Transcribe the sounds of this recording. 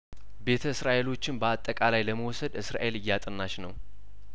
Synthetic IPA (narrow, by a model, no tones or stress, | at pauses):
be̞t̪ʰəɨsɾaʔe̞lo̞t͡ʃːɪnbəat̪ʼːəkʼalajləməwɔsəd̪ɨsɾa̰ʔe̞lɨjːat̪ʼɨnːaʃnəw